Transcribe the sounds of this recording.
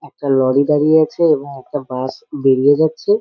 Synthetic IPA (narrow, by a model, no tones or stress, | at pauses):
ɛk̚ʈalɔɽid̪aɽijeat͡ɕʰeeboŋɛk̚ʈabasbeɽijed͡ʑatːɕʰe